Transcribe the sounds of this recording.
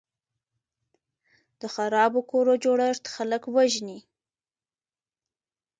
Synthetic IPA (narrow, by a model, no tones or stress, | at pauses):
d̪̥əxaɾɑbokoɾod͡ʒoɽaɾt̪xaləkwaʒni